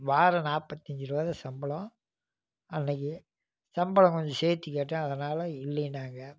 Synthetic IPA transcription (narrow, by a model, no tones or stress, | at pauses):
ʋaːɾɐnaːpɐt̪ːɐɲd͡ʒɪɾɯʋaːðɐsɐmbɐɭɔ̃ | ɐnːɐk̬ːɯ | sɐmbɐlɐ̃ŋkɔɲd͡ʒɔ̃seːt̪ːikːeːʈːɐ̃ːɐðɐnaːlɐɪlːɐnaːŋɡɐ